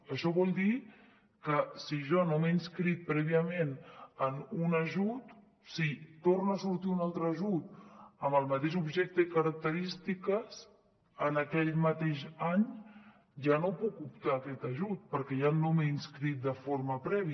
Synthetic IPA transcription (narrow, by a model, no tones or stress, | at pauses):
əʃɔβɔlˠd̪i | kəsiʒɔnomeinskɾit̪̚pɾɛβiəmenənunəʒut̪ | sit̪ornaːsuɾt̪iunalˠt̪ɾəːʒut̪̚əməlˠmət̪eʃ̬ubʒɛk̚t̪əkəɾək̚t̪əɾist̪ikəs | ənəkɛʎmət̪eʃaɲ | ʒanopukupt̪aːkɛt̪əʒut̪̚pəɾkɛjannomeinskɾit̪̚d̪əfoɾməpɾɛβi